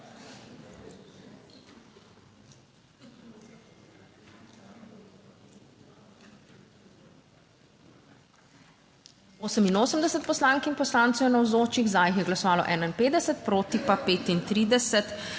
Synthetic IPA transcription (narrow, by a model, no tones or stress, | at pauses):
oːsəminoːsəmd̪ɛsɛt̪̚pɔslaŋkinpɔslaːnt̪sɛwnɔwzoːt͡ʃiɣzaːjixjɛɡlasɔʋaːlɔ̰ʔɛːnainpeːd̪d̪ɛsɛt̪̚pɾoːt̪ipapeːt̪int̪ɾiːd̪ɛsɛt̪